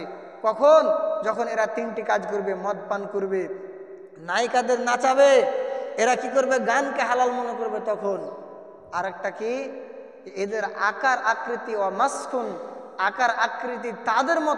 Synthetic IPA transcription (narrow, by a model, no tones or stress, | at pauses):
kɔkʰond͡ʒɔkʰoneɾat̪inʈikad͡ʒkoɾbemɔt̪̚pankuɾbe | najkad̪eɾnat͡ʃabeeɾakikoɾbeɡankeɦalalmɔnekoɾbet̪ɔkʰon | aɾɛk̚ʈaki | ed̪eɾa̰kaɾakɾit̪ibaməskʰun | akaɾakɾit̪̬it̪ad̪eɾmɔ